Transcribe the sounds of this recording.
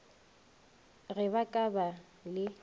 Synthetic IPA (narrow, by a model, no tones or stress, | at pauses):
ɣɛbakʼaba | lɪ